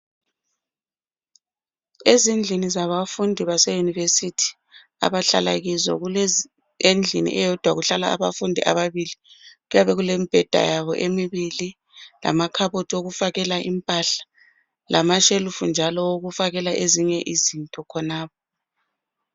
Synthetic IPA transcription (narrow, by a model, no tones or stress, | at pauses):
ezind͡ɮʱinizaβafundʱiβasejunivesitʰi̥ | a̰βaɬa̰la̰ɣizɔ̰ɣu | end͡ɮʱḭnḭʔɛjɔd̥ʱwaɣuɬala̰ːβafundʱiʔa̰βaβiliɣujaβɛɣulemib̥ʱɛd̥ʱa̰jaβɔʔemiβili | la̰makʰaβotʰioɣufaɣɛlaʔimpʼaɬḁ | lamaʃelufund͡ʒʱalɔwoɣufaɣɛlaʔeziɲɛʔizintʼɔkʰɔnaːp̚ɔ